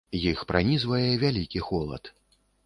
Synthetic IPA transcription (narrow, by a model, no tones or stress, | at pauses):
jixpɾʔanʲizvɐjɛvʲalʲikʲixɔlˠɐ̰t̪